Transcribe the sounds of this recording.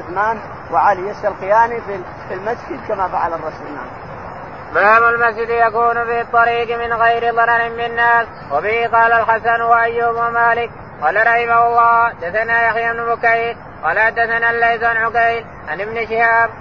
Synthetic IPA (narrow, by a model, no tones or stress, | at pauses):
ʊθmaːn | waʕaljasalqɪjaːnifi | filmasd͡ʒɪd̪kamafaʕalɑrˤːɑsʊna̰ːn | baːmalmasd͡ʒɪd̪jakuːnʊfit̪ˤːɑɾiːqmɪnɣajɾɪðˤɑɾˤɑɾɪmmɪnːaːs | wabɪhiqɑːlalħasanwaʔajːabwamaːlɪk̚ | qɑːlaɾˤɑħɪmaʊlˤːɑːad̪ːaθanaːjaxjabnʊbʊkajl | qɑːlaħad̪ːaθanaːlːajzanʕʊkajl | ʔanʔɪbnɪʃɪhaːb̚